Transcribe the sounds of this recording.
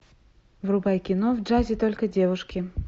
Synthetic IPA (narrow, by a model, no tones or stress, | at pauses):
vrʊbajkʲɪnovʐazʲɪt̪olʲkədʲevʊʂkʲɪ